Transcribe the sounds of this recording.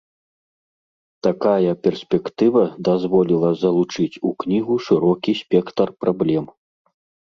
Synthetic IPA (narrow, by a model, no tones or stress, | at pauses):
t̪akajɐpʲɛrsʲpʲɛkt̪ɨvɐd̪azvɔlʲilˠɐzɐlˠut͡ʂɨt͡sʲuknʲiɣuʂɨɾɔkʲisʲpʲɛkt̪ɐrpɾablʲɛm